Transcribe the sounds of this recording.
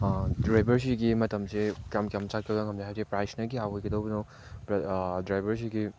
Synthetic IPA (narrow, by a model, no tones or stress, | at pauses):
dɾajbɐɾs̬iɡimɐtɐmsekamkjamt͡ʃat̚kʰɐɡɐŋɐmd͡ʒaɦasepɾajsnɐɡiawɔjɡɐdowbnow | dɾajbɐɾs̬iɡi